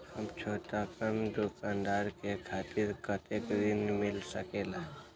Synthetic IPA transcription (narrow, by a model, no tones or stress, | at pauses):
həmt͡ʃʰoːʈ̪apənd̪okand̪aɾkekʰaːt̪ɪɾkət̪ekd̪ɪnmɪlsəkelaɦ